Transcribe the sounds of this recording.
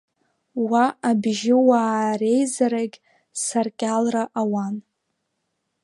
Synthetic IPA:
waabʒɪwaːre̞jzaɾaɡʲ | sarkʲʼalraʔawan

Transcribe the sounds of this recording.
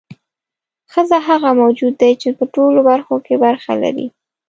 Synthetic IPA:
xəzaɦaɣamawd͡ʒud̪ːajt͡ʃepəʈolobaɾxokebaɾxa̰la̰ɾḭ

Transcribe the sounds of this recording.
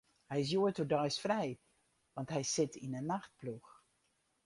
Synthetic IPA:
hɛjɪs̬juətudœjsfrɛj | ʋɑntɦɛjsɪtʰinənːaxt̚plux

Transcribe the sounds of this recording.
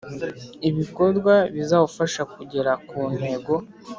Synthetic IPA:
iβiko̞ɾɡwaβizaːwufaʃakuɟe̞ɾakuːn̥he̞ɡo̞

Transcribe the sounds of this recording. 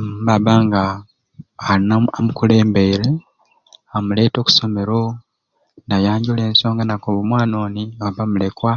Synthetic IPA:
mbaβaŋɡaː | naamukule̞ːmbeɾe | amule̞ːto̞ːku̥so̞me̞ɾo̞ | najaːɲɟuleːnso̞ːŋɡanakoβumwaːno̞ːniβaβamule̞kwa

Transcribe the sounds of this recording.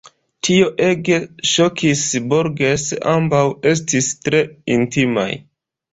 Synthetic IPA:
tʰio̞ʔe̞ɡe̞ʃo̞kʰisbo̞ɾɡesʔambawe̞s̬tistɾe̞intima̰j

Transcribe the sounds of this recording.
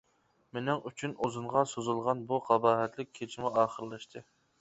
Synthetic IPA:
menɪŋyt͡ʃʰynozuɴʁɑsozɨlˠʁɑnbuqɑbɑːɦɛt̪lɪk̚ʲːʰet͡ʃʰimuɑːχəɾɨlˠɑʃt̪ʰɨ

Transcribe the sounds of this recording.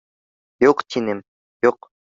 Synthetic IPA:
joqt̪ʲʰinɘm | joq

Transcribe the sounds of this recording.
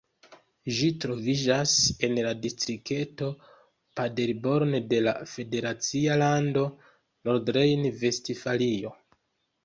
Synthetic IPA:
ʒitɾo̞vid͡ʒase̞nladistɾike̞to̞ | pade̞ɾbo̞ɾnde̞la̰fe̞de̞ɾat͡sialando̞ | noɾdɾejnve̞stifalio̞

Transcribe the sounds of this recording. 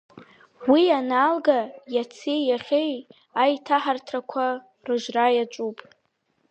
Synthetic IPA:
wianalɡajat͡sʰejaχʲej | ajtʰaħartʰrakʷʰa | rɨʒrajat͡ʃʷʼupʼ

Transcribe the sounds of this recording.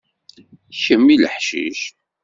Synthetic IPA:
çəmːiləħʃḭʃ

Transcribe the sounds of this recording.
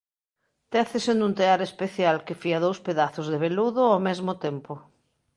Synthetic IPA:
t̪ɛθesend̪unt̪eaɾespeθjalkɪfiɐðowspeðaθozðeβeluðʊawmɛzmʊt̪ɛmpʊ

